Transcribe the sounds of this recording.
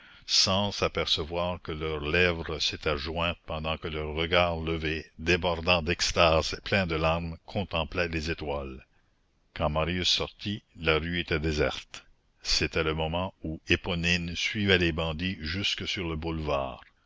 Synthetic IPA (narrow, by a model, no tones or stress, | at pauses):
sɑ̃sapɛʁsəvwaːʁkəlœʁlɛvʁəset̪ʰɛʒwɛ̃t̪̚pɑ̃d̪ɑ̃kəlœʁːəɡaːʁləved̪ebɔʁd̪ɑ̃d̪ɛkst̪aːzeplɛ̃d̪əlaʁmkʰɔ̃t̪ɑ̃plɛlezet̪wal | kɑ̃maʁjʉsːɔʁt̪ʰilaʁyet̪ɛd̪ezɛ̰ʁt̪ | set̪ɛləmɔmɑ̃uepɔninsɥivɛlebɑ̃d̪iʒyskəsyʁləbulva̰ːʁ